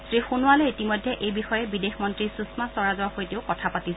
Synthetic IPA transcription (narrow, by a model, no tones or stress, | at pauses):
sɹixunʊwalɛitimɔjdʱjɛʔejbixɔjɛbidexmɔntɹisusmasɔɹazɔwaxojteʊkɔtʰapatis